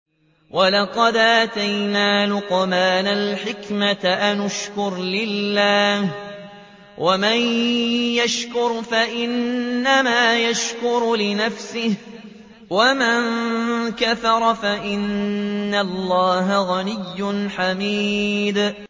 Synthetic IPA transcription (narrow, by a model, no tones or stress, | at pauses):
wʔalɑqɑd̪ʔat̪ajnaːlʊqmaːnalħɪkmaʔanʊʃkʊɾlɪlːaːh | wʔamanjaʃkʊɾfaʔɪnːamaːjaʃkʊɾlɪnafsɪh | wamaŋkaθɑɾˤɑfaʔɪnːalˤːɑːɦaɣanɪjːʊnħamiːd̪